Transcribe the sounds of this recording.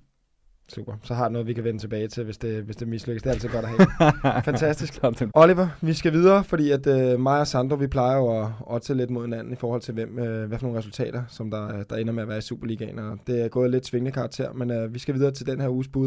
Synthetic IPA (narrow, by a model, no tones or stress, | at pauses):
sṵːb̥ɐsɒ̽ɦɑ̈d̥enɔ̽ðˠʋikʰæʋenət͡sʰe̝b̥ɛːɪt͡sʰe̝lʋe̝sd̥e̝ʋesd̥e̝misløɡəsd̥eɐælsið̩ˠɡɒ̽ɾ̥ɐɦɛ̰fænt͡sʰæsd̥isɡ̥ɒliʋɐʋisɡ̥æʋið̞ˠɐːfɒ̽d̥ḭːæd̥ømɑ̈ɪɐsɑnd̥ʁoʋipʰlɑ̈ɪɐjoɒ̽ɒ̽d̥sele̝d̥mo̝ð̞̰ˠhe̝nænn̩ifɒːhɒ̽l̰t͡sʰe̝lʋem̰øʋæfɒ̽no̝ːnʁɛsult͡sʰɛ̰ːɾ̥ɐsɒ̽md̥ɑ̈d̥ɑ̈e̝nɐmeæʋæːɐisṵːb̥ɐliɡ̥ɛ̰nɒd̥e̝æɐɡ̥ɔ̽ːðˠled̥t͡sʰʋe̝ŋənəkʰɑ̈ɡ̚t͡sʰe̝ɐ̰menøʋisɡ̥æʋið̞ˠɐːt͡sʰeld̥enheɐuːsb̥uðˠ